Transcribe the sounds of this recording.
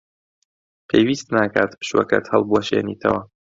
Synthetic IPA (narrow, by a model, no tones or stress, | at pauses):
pʰejwiːst̪naːkaːt̪pɨ̥ʃwɐ̰kɐ̰t̪hɐlˠbuɐʃeːniːt̪ʰɐ̰wɐ